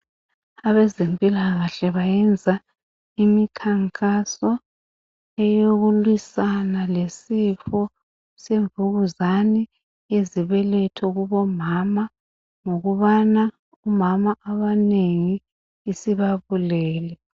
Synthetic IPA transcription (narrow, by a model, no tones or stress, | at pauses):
aβɛzempʼilaɣaɬɛβajɛnd͡zʱa | imikʰaŋkʼasɔ | ɛjoɣulwisanalesifɔ | seɱvuɣuzani | eziβɛlɛtʰɔɣuβɔmama | ŋoɣuβana | umamaʔaβaneŋiː | siβaβulɛːlɛ